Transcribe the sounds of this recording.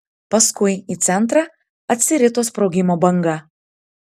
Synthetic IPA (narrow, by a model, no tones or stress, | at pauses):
pɐskʊɪiːt̪sʲɛnˑt̪ɾɐ | ɐt̪ʲsʲɪɾʲɪt̪oːspɾɔʊɡʲɪmoːbɐŋɡɐ